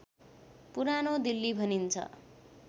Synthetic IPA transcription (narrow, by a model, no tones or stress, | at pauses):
puɾanod̪ilːibʱʌnint͡sʰʌ̰